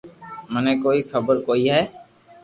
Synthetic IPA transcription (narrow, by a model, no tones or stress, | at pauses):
mɛnekoːixʰɐbəɾkoːiɦɛː